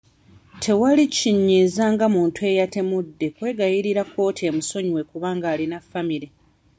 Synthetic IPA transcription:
tʰe̞waliciɲːizaːŋɡamuːntue̞ːjate̞mudːe̞kwe̞ːɡajiɾiɾako̞ːtʰe̞ːmuso̞ɲwe̞kuβaːŋɡaːlinafːamiɾe

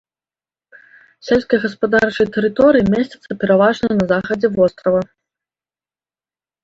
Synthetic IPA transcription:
sʲɛlʲskɐjɣɐspad̪art͡ʂɐjt̪ɛɾɨt̪ɔɾɨjimʲesʲt͡sʲɐ̥t̪sɐpʲɛɾavaʐnɐjnɐzaxɐd͡zʲɛvɔst̪ɾɐvɐ

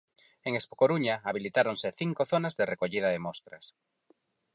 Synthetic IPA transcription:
eŋespo̥koɾuɲaaβilit̪aɾonsɪθiŋkoθonazðerekoʎiðɐðemɔst̪ɾɐ̰s

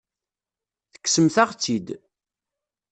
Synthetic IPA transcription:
θə̥kːsəmθaʁt͡sːid̪

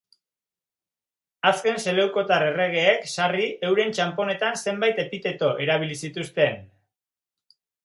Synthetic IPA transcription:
aske̞nse̞le̞wko̞t̪are̞re̞ɣ̞e̞ːksarie̞wɾe̞nt͡ʃampo̞ne̞t̪anse̞mbajt̪e̞pit̪e̞t̪o̞ʔe̞ɾaβ̞ilisit̪ust̪e̞n

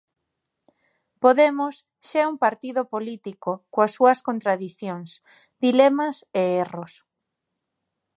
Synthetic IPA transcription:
poðemʊs | ʃaɛuŋpaɾt̪iðopolit̪ikokoasːuɐskont̪ɾaðiθjoŋs | d̪ilemɐseeros

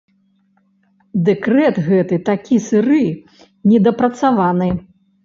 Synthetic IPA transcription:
d̪ɛkɾɛt̪ɣɛt̪ɨt̪akʲisɨɾɨ | nʲɛd̪ɐpɾɐt̪savanɨ

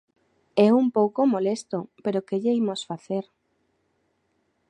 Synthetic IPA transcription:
ɛumpowkomolest̪opeɾokeʎeimosfaθeɾ

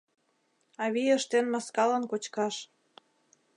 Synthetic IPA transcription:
ɑβijəʃt̪enmɑskɑlənkot͡ɕkɑʃ

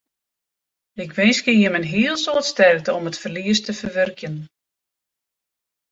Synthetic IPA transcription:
ɪkʋɪnskijəmənɦiəlˠsoːtstɛrk̚təɔmətfərliəstəfərʋørkjən

